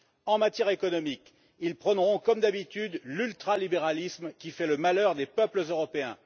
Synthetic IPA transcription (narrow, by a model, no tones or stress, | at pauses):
ɑ̃mat̪jɛʁekɔnɔmik | ilpχɔnʁɔ̃kɔmd̪abit̪yd̪lylt̪χalibeʁalismkʲifɛləmalœʁd̪epœpləzøʁɔpeɛ̰̃